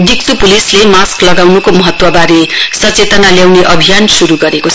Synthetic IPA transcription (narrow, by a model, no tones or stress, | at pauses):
d̪ik̚t͡supulislemasklʌɡawnukomʌɦʌt̪wʌbaɾesʌt͡set̪ʌnaljawneʔʌbʱijansuɾuɡʌɾekot͡sʰ